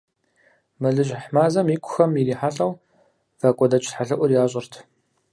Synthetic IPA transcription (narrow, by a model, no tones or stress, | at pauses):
mɨɮɨʑħmaːzɐmjikʷʼʰʊ̥xɐmiɾiːħaɬʼɐw | vakʷʼɔdɐt͡ʃʼʰħaɮɨʔʷʊrjaːɕʼɪrtʰ